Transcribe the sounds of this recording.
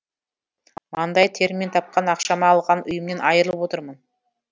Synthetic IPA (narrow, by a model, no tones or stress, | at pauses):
ɑnd̪ɑjt̪ʰe̞ɾmʲint̪ʰɑp̚qɑnɑqʃɑmɑːlˠʁɑnʊjəmne̞nɑjəɾəlˠəp̚wo̞t̪əɾmən